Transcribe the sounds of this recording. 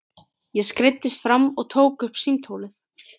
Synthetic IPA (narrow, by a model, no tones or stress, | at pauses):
jɛskɾɪt̪ːɪst̪fɾamːɔɣt̪ʰoːwkʏhpsimt̪ʰowlɪθ